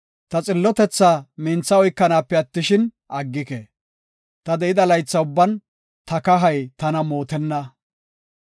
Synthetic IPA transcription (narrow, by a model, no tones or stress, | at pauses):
t̪ɐt͡sʼɪlːɔt̪ɛt͡sːaːmɛnt͡sːɐɔjkːɐnaːpːɛɐt̪ːɪʃɪn | ʔɐɡːɪke | t̪ɐd̪ɛɪd̪ɐlɐjt͡sːɐʊbːɐn | t̪ɐkɐɦɐjt̪ɐnɐmo̞ːt̪ɛnːɐ